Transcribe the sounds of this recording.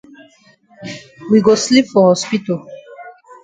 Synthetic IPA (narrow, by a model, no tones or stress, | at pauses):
wiɡoslipfɔhɔspitɔ